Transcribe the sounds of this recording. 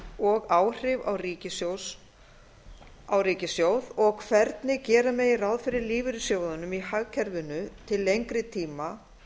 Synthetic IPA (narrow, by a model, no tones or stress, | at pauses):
ɔɣaːwr̥ɪva̰wriːcɪsows | awɾiːcɪsjowðɔɣkʰvɛɾt̪nɪcɛːɾamɛðɪrawðfɪɾɪɾliːvɪɾʏsjoːwðanʏmihaɣcʰɛɾvʏnʏt̪ʰɪlːejŋkɾɪt̪ʰiːma